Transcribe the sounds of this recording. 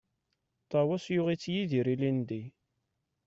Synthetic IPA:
t̪ˤɑwæsjʊʁit͡sːjiðiɾilind̪i

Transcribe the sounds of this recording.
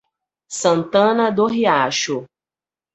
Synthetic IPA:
sɐ̃nt̪ɐ̃nɐd̪oɦiaʃʊ

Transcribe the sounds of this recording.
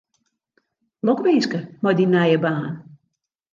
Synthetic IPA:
lɔkʋɪnskəmɔjdinajəbaːn

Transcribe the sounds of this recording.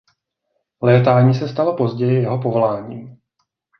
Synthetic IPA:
lɛːt̪aːɲiːsɛst̪alopo̞zɟɛjɪjɛɦo̞po̞volaːɲiːm

